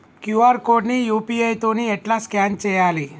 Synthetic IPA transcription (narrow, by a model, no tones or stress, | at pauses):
kjuaɾkoɖnijupiejt̪onieʈlaskant͡ɕejali